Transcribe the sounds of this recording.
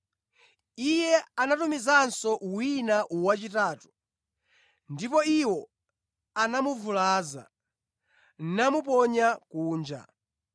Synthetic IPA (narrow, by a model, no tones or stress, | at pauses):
ijɛanatumizansɔwinaʔuwat͡ʃitaːtu̥ | ndipɔiwɔ | anamuvulaːza̰ | n̩namup̬ɔɲakuːnd͡ʒa̰